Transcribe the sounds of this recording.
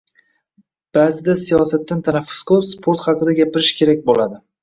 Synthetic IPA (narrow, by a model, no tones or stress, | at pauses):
b̥aːzɪd̪asijɒsat̪ːant̪ʰanafːʊ̥sqʰɨlˠɪpspʰoɾt̪χɑqɨd̪aɡʲapɪɾɪʃkʲʰe̞ɾak̚ʲbolad̪ɪ